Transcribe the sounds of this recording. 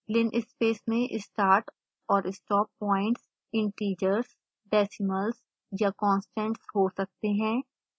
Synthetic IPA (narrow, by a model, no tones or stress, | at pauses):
lnʔɪspeːsmẽʔɪsʈaːɾʈ | ɔːɾʔɪsʈɔːpːɔ̃ːɪ̃ɳʈs | ɪ̃ɳʈɾiːd͡ʒəɾz | ɖɛːsɪməls | jakɔ̃ːnsʈɛ̃ɳʈsɦosɐk̚t̪eɦɛ̃ː